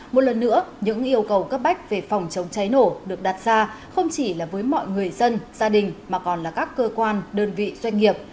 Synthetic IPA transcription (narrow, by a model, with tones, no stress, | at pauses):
mo˨˩t̚lə˨˩nːɨ̰˧˥əɲɨ̰˧˥ŋʔi˧əwkə˨˩wkaː˦˥k̚ɓa˦˥jk̟̚ve˨˩fɔ˨˩wŋ͡mt͡ɕə˨˦wŋ͡mt͡ɕa˨˦jno˧˩ɗɨ˨˩ək̚ɗa˨˩t̚z̥aː˧ | xə˧wŋ͡mt͡ɕi˧˩laː˨˩vəː˨˦jmɔ̰˧˨jŋɨ˨˩əjzə˧nz̥aː˧ɗï˨˩ŋ̟maː˨˩kɔ˨˩nlaː˨˩kaː˦˥kːəː˧kwaː˧nɗəː˧nvḭ˧˨zwa˧jŋ̟ŋi˨˩əp̚